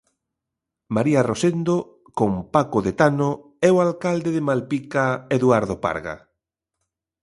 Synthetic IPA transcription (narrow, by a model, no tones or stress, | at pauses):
maɾiarosend̪o | kompakoðet̪ano | ɛoalkald̪eðemalpikaeðuaɾðopa̰ɾɣa̰